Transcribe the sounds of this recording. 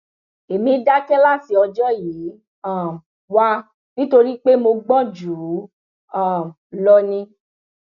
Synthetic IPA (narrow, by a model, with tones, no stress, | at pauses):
e˨mĩ˨˦da˦kɛ˦la˦˨si˧ɔ˧d͡ʒɔ˦ji˨˦ | ã˦˨ | wa˦ | nĩ˦to˧ɾi˦k͡pe˦mo˧ɡ͡bɔ̃˦˨d͡ʒu˨ɾu˨˦ | ã˦˨ | lɔ˧nĩ˧